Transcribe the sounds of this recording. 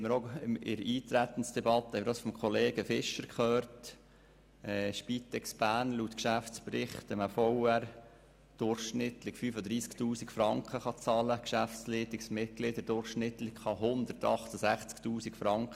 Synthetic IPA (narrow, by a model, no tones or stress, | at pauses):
ɛməɾomɪ̰ɾiːt̪ɾæt̪ən̩sd̥ɛbɑt̪əhɛɪməɾd̥ɑsfɔmkχɔleːɡ̥əfɪʃəɾkχøːɾt | ɛːʃpit̪ɛksb̥æːɾnluːt̪kʃæft͡spɾɪχt̪əməfɔwæɾ | d̪̥ʊɾχʃnɪt̪lɪkfyfəd̪ɾiːsktuːsikfɾɑŋkχəχɑt͡sɑləkʃæft͡sliːt̪ɪksmɪt̚ɡ̥lɪd̪əd̥ʊɾχʃnɪt̪lɪkχɑɦʊnd̪əɾtɑχt̪əsæχt͡sktuːsikfɾɑŋkχə